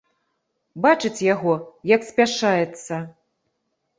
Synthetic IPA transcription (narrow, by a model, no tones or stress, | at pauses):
bat͡ʂɨt͡sʲjaɣɔjɐksʲpʲaʂajɛt̪sːɐ